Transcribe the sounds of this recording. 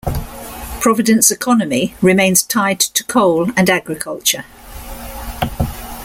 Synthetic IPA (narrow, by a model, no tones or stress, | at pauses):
pʰɹ̥ɒvɪdə̃nsɪkʰɒnəmiɹɪmẽɪ̃nz̥tʰaɪdtʰə̥kʰəʊlə̃naɡɹɪkʰəlˠt͡ʃə